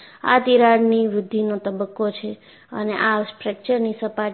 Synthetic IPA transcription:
a̰t̪iɾaɽniʋɾʊd̪ʱːinot̪əbəkːot͡ʃʰe | ə̰neʔaspɾək̚t͡ʃəɾnisəpa

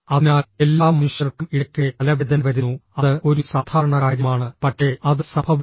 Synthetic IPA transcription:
ɐinaːelːaːmɐnuʂjɐrkːumiɽɐkʲːɨɐlɐʋid̪ʱɐnɐʋɐɾunːuɐðɨo̞ɾusaːd̪ʱʰaːɾɐɳɐkaːɾjɐmaːɳɨpɐʈʂe̞ɐðɨsɐbʰʱɐʋ

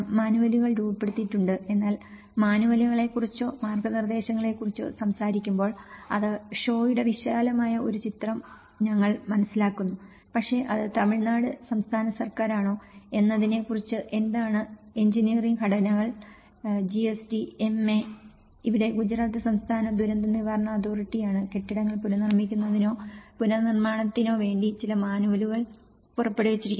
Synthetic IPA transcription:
maːnuʋɐliɣɐɭɾuːpːe̞ɽut̪ːiʈːuɳɖɨe̞nːaːl | maːnuʋɐliɣɐɭe̞kːurit͡ɕːo̞ːmaːrɡɐnird̪e̞ːɕɐŋːɐɭe̞kːurit͡ɕːo̰ːsɐmsaːɾikʲːumbo̞ːɭɐ̰ðɨʂo̞ːjiɽe̞ʋiɕaːlɐmaːjɐo̞ɾut͡ɕit̪rɐm | ɲɐŋːɐɭmɐnɐsilaːkːunːu | pɐkʂe̞ʔɐðɨt̪ɐmiɭnaːɽɨsɐmst̪ʰaːnɐsɐrkaːɾaːɳo̞ːe̞nːɐðinekurit͡ɕːɨʔe̞nd̪aːɳɨe̞ɲd͡ʑiniɐriŋɡkɐɽɐnɐɣɐɭ | d͡ʑiesʈiemːe | iʋiɽe̞ɡud͡ʑɾaːt̪ːɨsɐmst̪ʰaːnɐd̪uɾɐnd̪ɐniʋaːɾɐɳɐɐd̪oːriʈːijaːɳɨke̞ʈːiɽɐŋːɐɭpunɐnirmikʲːunːɐðino̞ːpunɐnirmaːɳɐt̪ːino̞ːʋe̞ːɳɖit͡ɕilɐmaːnuʋɐluɣɐɭ | purɐpːe̞ɽuʋet͡ɕːiɾik̪ʲː

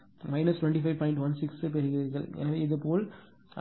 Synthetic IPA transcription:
mɐɪnɐsʈwɛ̃ɳʈifɐɪʋpɔːɪɳʈʋɐnsɪksɯpɛɾɯɣɐɐɾɣɐɭʔɛ̰nɐʋeːɪðɯpoːl

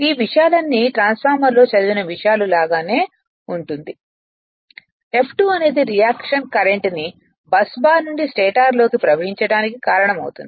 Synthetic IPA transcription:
iːʋiʂjaːlɐnːiʈɾaːnspʰaːɾmɐɾlo̞ːt͡ʃɐd̪ubinɐʋiʂɐjaːlulaːɡaːne̞ː | uɳʈund̪i | e̞pʰʈuːɐne̞ːd̪iɾijaːkʂɐnkɐɾe̞ɳʈni | bɐsbaːnuɳɖisʈeːʈaːɾlo̞ːkipɾɐʋɐɦiɲt͡ʃɐɽaːnikikaːɾɐɳɐmɐ̰wut̪ṵnd̪i

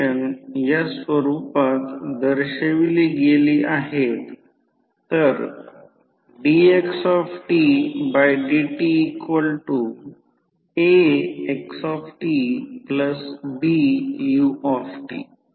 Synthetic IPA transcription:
ənjasʋəɾupat̪d̪əɾɕeʋiliɡeliːʔaɦet̪ː | əɾ | ɖieksɔfʈibajɖiʈiːkʋəlʈu | eeksɔfʈipləsbijuɔfʈḭ

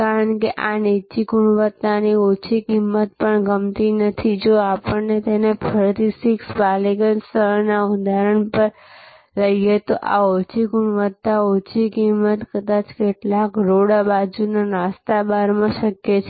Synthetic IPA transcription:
kaɾəɳkeʔanit͡ʃiɡuɳʋət̪ːaniot͡ʃʰikimːət̪̚pəɳɡəmt̪inət̪ʰid͡ʒoapəɳnet̪enepʰəɾt̪isiksbalikənst̪əɦnaud̪ʱaɾəɳpəɾ | ləijet̪oʔa̰ot͡ʃʰiɡuɳʋət̪ːaot͡ʃʰikimːət̪kəd̪at͡ʃkeʈlakɾoɽabad͡ʒunaɾast̪abaɾmãʃəkjet͡ʃʰ

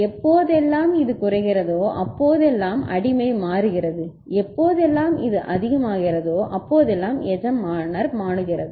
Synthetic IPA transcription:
ɛpːoːðɛlːaːmɪðɯkʊrɐɪɣɪrɐðoːʔɐpːoːðɛlːaːmɐ̰ɽɪmɐɪmaːɾɯɣɪrɐðɯ | ɛpːoːðɛlːaːmɪðɯʔɐðɪɣɐmaːɣɪrɐðoːʔɐpːoːðɛlːaːmɛd͡ʒɐmːaːɳɐɾmaːɳɯɣɪrɐðɯ

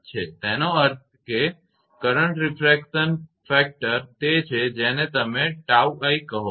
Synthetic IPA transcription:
t͡ʃʰet̪enoəɾt̪̚ʰke | kəɾəɳʈɾifɾekʃənfɛk̚ʈəɾt̪et͡ʃʰed͡ʒenet̪əmeʈauaikːəɦo

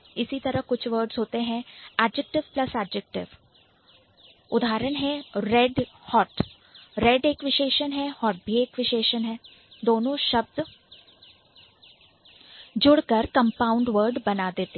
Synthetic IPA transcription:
ɪsit̪ɐɾəɦkʊt͡ʃʰʋəːɾɖzɦoːt̪eɦɛ̃aːɖd͡ʒɛk̚ʈɪʋplɐsaːɖd͡ʒɛk̚ʈɪ̰ʋ | ʊd̪ʱaːɾənɦɛ̃ɾɛɖ | hɔːʈ | ɾɛɖeːkʋɪʃeːʃənɦɛhɔːʈ̚bʱieːkʋɪʃeːʃənɦɛ̃ː | d̪oːnõʃɐb̚d̪ | d͡ʒʊɽkəɾkɐ̃mpaːʊ̃ɳɖʋəɾɖbɐnaːd̪eːt̪e

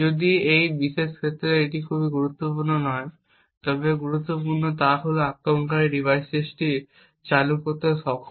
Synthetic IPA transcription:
od̪iejbiʃeʃkʰet̪ːɾeeʈikʰubiɡuɾut̪ːopuɾnonɔe | t̪ɔbeɡuɾut̪ːopuɾnot̪̬aɦoloakɾoɳkaɾiɖibʱajst͡ɕesʈi | t͡ɕalukoɾt̪eʃɔkʰ

